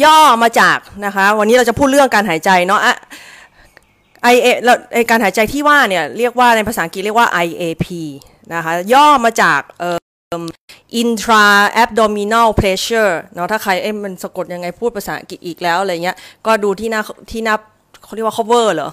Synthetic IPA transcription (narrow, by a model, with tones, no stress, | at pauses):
jɔː˥˩maː˧t͡ɕaː˨˩k̚na˦˥kʰa˦˥wa˧niː˦˥ɾa˧wt͡ɕa˨˩pʰuː˥˩t̪̚ɾɯ˥˩əŋkaː˧nɦaː˩˦jt͡ɕa˧jnɔ˦˥ʔa˧˩ | ʔa˧jʔeː˧lʔa˧˩jkaː˧nɦaː˩˦jt͡ɕa˧jt̪ʰiː˥˩waː˥˩ni˥˩ɐɾi˥˩ək̚waː˥˩na˧jpʰa˧saː˨˩˦ki˨˩ɾi˥˩əkwaː˥˩ʔa˧jʔeː˧pʰiː˧ | na˦˥kʰa˦˥jɔː˥˩maː˧t͡ɕaː˨˩k̚ʔɤː˨˩ | mʔi˧nt̪ʰɾaː˧ʔɛ˦˥p̚dɔː˧mi˧na˥˩pʰleː˦˥ɕɤː˥˩nɔ˦˥t̪ʰaː˥˩kʰa˧jʔa˥˩jma˧nsa˧ko˨˩t̪̚ja˧ŋːa˧jpʰu˥˩t̪̚pʰa˧saː˩˦ʔa˦ki˨˩t̪̚ʔiː˨˩k̚lɛː˦˥wlaː˧ja˨˩ŋi˦˥ɐkɔː˥˩duː˧t̪ʰiː˥˩naː˥˩t̪ʰiː˥˩naː˥˩p̚ | kkʰːɾi˥˩wa˥k̚ʰːwɤː˥˩lɤː˩˦